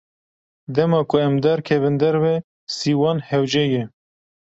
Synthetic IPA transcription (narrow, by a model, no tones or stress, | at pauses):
d̪ɛmɑːkʰʊɛmd̪ɛɾkʰɛβɨnd̪ɛɾbɛ | siːwɑːnhɛwd͡ʒɛjɛ